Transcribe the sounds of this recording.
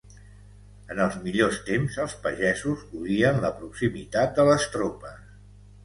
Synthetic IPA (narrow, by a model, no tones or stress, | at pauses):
ənəlˠzmiʎost̪emzəlˠspəʒɛzuzuɾiənləpɾuksimit̪at̪̚d̪ələst̪ɾopəs